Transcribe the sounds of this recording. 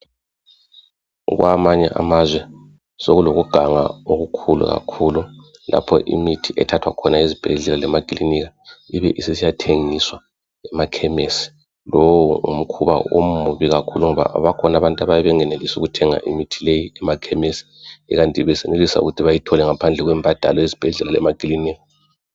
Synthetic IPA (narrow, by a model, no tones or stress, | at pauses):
ɣwamaɲɛ̰ʔa̰mazwɛ | soɣuloɣuɡ̥ʱaŋa̰oɣukʰulṵɣa̰kʰulula̰pʰɔ̰ʔḭmitʰiʔɛtʰatʰwakʰɔnaezib̥ʱeɮɛlalɛmakʼiliniɣa | iβɛʔisisijatʰeŋiswa | ɛmakʰɛmesi̥ | lowuṵm̩kʰuβa̰o̰m̩muβiɣakʰuluŋɔβa̰ʔa̰βakʰɔnaβantʼaβajɛβɛŋɛnelisuɣutʰɛŋa̰ʔḭmitʰilejiɛmakʰɛmesi̥ɛ̰ɣantʼiβɛsenelisaṵɣutʰiβajitʰɔlɛŋapʰand͡ɮʱɛɣwɛmbʱad̥ʱalɔjezib̥ʱɛɮɛlalɛ̰makʼiliniɣa